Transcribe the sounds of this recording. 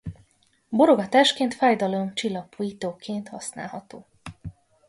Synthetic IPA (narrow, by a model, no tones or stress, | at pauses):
boɾoɡɒt̪aːʃkeːnt̪fɛjd̪ɒlomt͡ʃilːɒpoːjit̪oːkeːnt̪hɒ̰sna̰ːlɦɒt̪oː